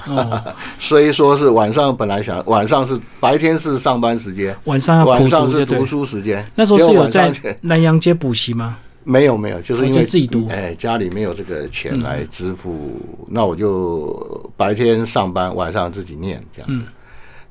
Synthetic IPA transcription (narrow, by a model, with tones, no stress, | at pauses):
swɔ˧˥i˨˩ʂwɔ˥ʂ̬ɻ̩˥˩wa˨˩nʂ̬ɑ˥˩ŋpə˨˩nla˧˥ɪɕjɑ̰˨˥˦ŋwa˨˩nʂ̬ɑ˥˧ŋʂ̬ɻ̩˥˩ | pa˧˥ɪt̪ʰjɛ˥nʂɻ̩˥˧ʂɑ˥˩ŋpa˦nʂ̬ɻ̩˧˥t͡ɕjɛ˥nwa˨˩nʂɑ˥˧ŋjɑ˥˩wa˨˩u˨n˩ʂ̬ɑ˥˧ŋ̬˥ɻ̩˥˧t̪u˧˥ʂu˥ʂɻ̩˧˥t͡ɕjɛ˥nna˥˩ʂə˧˥o˥˧o˥o˥˧˥jo˨˩nt͡sa˥˩˧ŋ˥na˧˥njɑ˧˥ŋt͡ɕjɛ˥pu˨˩ɕi˧˥ma˧ | me˧˥ɪjo˨˩ʊme˧˥ɪjo˨˩ʊt͡ɕo˥˧ʊʂɻ̩˥˧i˥t͡ɕwjt͡sɹ̩˥˩t͡ɕi˨˩t̪u˧˦e˥˧˩ɪt͡ɕja˥li˨˩me˧˥ɪjo˨˩ʊʈ͡ʂɤ˥˩ɡə̰˩t͡ɕʰjɛ̰˧˥nla̰˧˥ɪʈ͡ʂɻ̩˥fṵ˥na˥˩wɔ˨˩t͡ɕjo˥˩ʊ | pa˧˥ɪt̪ʰjɛ˥nʂɑ˥˩ŋpa˥nwa̰˨˩nʂɑ˥˧ŋt͡sɹ̩˥˩t͡ɕi˨˩njɛ̰˥˩nʈ͡ʂə˧jɑ̰˨˥d͡z̩˩